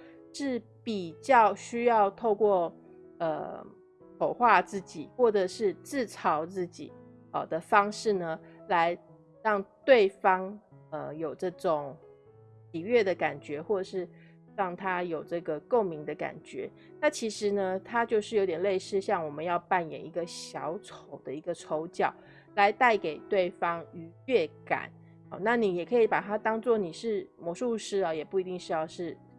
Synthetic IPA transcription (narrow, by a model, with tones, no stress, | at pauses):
ʂɻ̩˥˩ | pi˨˩t͡ɕjɑ˥˩ʊɕy˥jɑ˥˧ʊt̪ʰo˥˧ʊkwɔ˥˩ | ə̰˨ | kʰo˨˩ʊxwa˥˧t͡sɹ̩˥˩t͡ɕḭ˨˩˦xwɔ˥˩də˩ʂɻ̩˥˧t͡sɹ̩˥˩ʈ͡ʂʰɑ˧˥ʊt͡sɹ̩˥˩t͡ɕḭ˨˩˦ | ə˨d̪ə˨fɑ˥ŋʂɻ̩˥˩nə˩la˧˦ɪ | ɻɑ˥˧ŋt̪we˥˩ɪfɑ˥ŋ | ə˧jo˨˩ʊʈ͡ʂɤ˥˩ʈ͡ʂʊ˨˩ŋ | ɕi˨˩ɥɛ˥˩d̪ə˩ka˨˩nt͡ɕɥɛ˧˥xwɔ˥˩ʈ͡ʂə˨˩ʂɻ̩˥˧ | ɻɑ˥˩ŋt̪ʰa˥jo˨˩ʊʈ͡ʂɤ˥˩ɡə˩ko˥˩ʊmi˧˥ŋd̪ə˧ka̰˨˩nt͡ɕɥɛ̰˧˥˦ | na˥˩t͡ɕʰi˧˥ʂɻ̩˧˥nə˧t̪ʰa˥t͡ɕjo˥˧ʊʂɻ̩˥˩jo˧˥t̪jɛ˨˩le˥˧ɪʂɻ̩˥˧ɕjɑ˥˩ŋwɔ˨˩mə˦njɑ˥˧ʊpa˥˩njɛ̰˨˩ni˧˥ɡə˨ɕjɑ˧˥ʊt͡sʰo˨˩ʊd̪ə˦i˧˥ɡə˧ʈ͡ʂʰo˧˥ʊt͡ɕjɑ˨˩˦ʊ | la˧˦ɪt̪a˥˩ɪke˨˩ɪt̪we˥˩ɪfɑ˥ŋy˧˥ɥɛ˥˩ka̰˨˩˦n | ɑ̰˨˩na˥˨ni˨˩jɛ˨˩kʰɤ˧˥i˨˧˩pa˨˩t̪ʰa˥t̪ɑ˥ŋt͡swɔ˥˨˩ni˨˩ʂɻ̩˥˩mwɔ˧˥˦ʂu˥˧ʂɻ̩˥ɐ˨jɛ˨˩pu˥˩i˧˥i˥˧ŋʂɻ̩˥˧jɑ˥˧ʊʂɻ̩˥˩